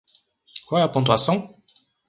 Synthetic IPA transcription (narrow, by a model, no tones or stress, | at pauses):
kwaapɔ̃t̪wasɔ̃